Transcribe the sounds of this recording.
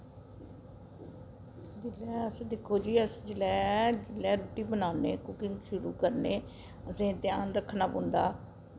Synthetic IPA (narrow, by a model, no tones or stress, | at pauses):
d͡ʒɪlɛːəsd̪ɪkʰːoːd͡ʒiːəsd͡ʒɪlɛːd͡ʒɪlɛːɾoːʈiːbənaːnḛːkʊkɪ̃ŋɡʃʊɾṵːkəɾneː | əsẽːt̪jaːnɾəkʰːnaːpõnd̪a̰ː